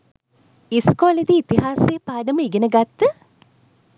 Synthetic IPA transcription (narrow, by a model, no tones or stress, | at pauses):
iskoːled̪iːt̪iɦaːsepaːɖəməiɡenəɡat̪ːə